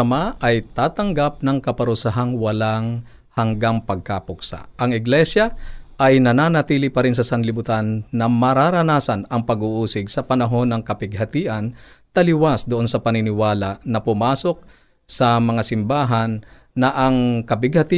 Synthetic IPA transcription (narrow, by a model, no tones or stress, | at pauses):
ɐmaʔɐjt̪aːt̪ɐŋɡap̚nɐŋkɐpɐɾʊsaɦaŋwɐlaŋ | hɐŋɡaŋpɐɡ̚kapʊk̚sa̰ʔɐŋɪɡlɛsjɐʔɐjnɐnaːnɐt̪iːlɪpɐɾɪns̬ɐsɐnlɪbʊt̪anːɐmɐɾaɾɐnaːsɐnɐŋpɐɡuːʔuːsɪɡsɐpɐnɐɦo̞nɐŋkɐpɪɡ̚hɐt̪iːʔɐnt̪ɐlɪwasd̪ʊʔo̞nsɐpɐnɪnɪwaːlanɐpʊmaːso̞k̚ | sɐmɐŋasɪmbaːɦɐnː | ɐʔɐŋkɐpɪɡhɐt̪i